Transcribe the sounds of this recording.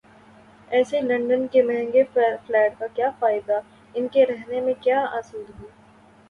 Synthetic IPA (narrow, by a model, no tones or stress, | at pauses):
ɛːselɐ̃ɳɖənkemɛɦɛ̃ŋɡeflɛːʈkakjaːfaːɪd̪a | ɪnkeɾɛɦnemẽkjaːaːsuːd̪ɦoː